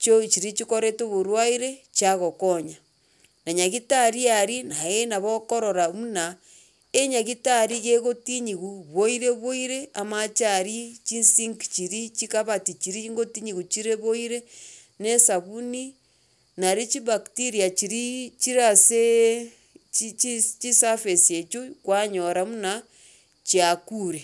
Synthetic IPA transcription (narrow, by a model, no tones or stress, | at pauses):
t͡ʃot͡ʃiɾit͡ʃikoɾetoβoɾwaiɾet͡ʃaɣokoɲa | naɲaɣitaɾiaɾinajenaβokoɾoɾamuna | eɲaɣitaɾiɣeɣotiɲiɣuβoiɾeβoiɾeamat͡ʃaɾit͡ʃinsiŋkt͡ʃiɾit͡ʃikaβatit͡ʃiɾiŋɡotiɲiɣut͡ʃiɾeβoiɾe | nesaβuni | naɾit͡ʃiβaktiɾiat͡ʃiɾit͡ʃiɾase | t͡ʃt͡ʃit͡ʃisafesiet͡ʃukwaɲoɾamuna | t͡ʃiakuɾe